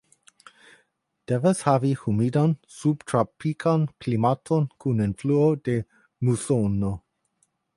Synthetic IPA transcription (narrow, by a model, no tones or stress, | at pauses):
d̥evashavihumidansubtʰɾapikʰanklimatʰonkʰunenfluode | musono